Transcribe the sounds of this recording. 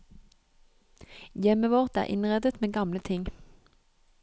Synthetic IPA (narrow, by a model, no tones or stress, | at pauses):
jɛməʋɔʁt̪æ̰ːʁʔɪ̰nʁɛd̪ət̪meːɡɑmlət̪ʰɪŋ